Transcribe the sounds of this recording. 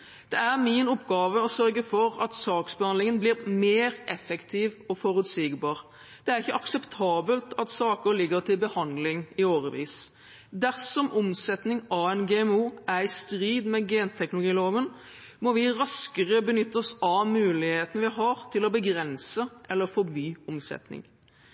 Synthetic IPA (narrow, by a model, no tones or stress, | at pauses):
d̪̥ɛæʁmɪnʊpːɡɑːʋəɔsœɾɡəfɔɾɑt̪sɑːksbəhɑnd̪lɪŋənblɪɾmeːɾʔɛfɛkt̪ʰɪːʋɔfɔɾʉt̪siɡbɑːɾ | d̪̥ɛæɾɪçːəʔɑksɛpt̪ʰɑːbəlt̪ɑt̪sɑːkəɾlɪɡːəɾt̪ʰɪbəhɑnd̪lɪŋɪoːʁəʋḭːs | d̪æʁsɔmʔʊmsɛt̪nɪŋɑʋɛɪnɡɛɛmuːʔæɾɪst̪ɾiːd̪mɛɡɛːnt̪ʰɛknʊlʊɡiːloːʋən | mɔʋɪɾɑskəʁəbənʏt̪ːəsɑʋmʉːlɪheːt̪ənəʋɪɦɑɾt̪ʰɪlɔbəɡɾɛnsəʔɛlːəfɔbyːʊmsɛ̰t̪nɪ̰ŋ